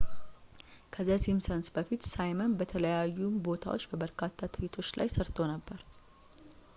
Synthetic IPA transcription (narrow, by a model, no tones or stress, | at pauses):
kʰəzːasimsənsbəfit̪sajmənbət̪ʰələjajːumbo̞t̪ʰa̰wo̞t͡ʃːbəbəɾkʰat̪ʰːat̪ʰɨjit̪ʰo̞t͡ʃːla̰jsəɾt̪ʰo̞nəbːəɾ